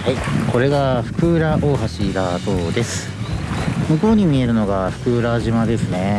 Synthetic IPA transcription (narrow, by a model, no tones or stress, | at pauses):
haiko̞ɾe̞ɡaɸɯ̟̥kɯ̟ɾaʔoːɦaɕiɾat̪o̞ːd̪e̞sɨ̥ | mɯ̟ko̞ːɲ̟imʲie̞ɾɯ̟no̞ɡaɸɯ̥kɯ̟ɾaʑimad̪e̞sɨne̞